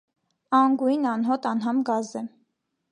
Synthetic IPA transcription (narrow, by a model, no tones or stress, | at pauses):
ɑŋɡujnɑnɦɔt̪ɑnɦɑmɡɑzɛ